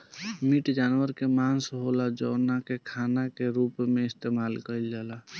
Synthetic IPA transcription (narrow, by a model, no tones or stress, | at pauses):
miʈd͡ʒanwəɾkemansɦolad͡ʒəːnakekʰanakeɾupmeist̪emalkəld͡ʒala